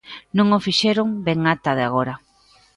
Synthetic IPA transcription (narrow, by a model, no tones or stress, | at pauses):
nõŋofiʃeɾoŋbeŋat̪aðeaɣoɾa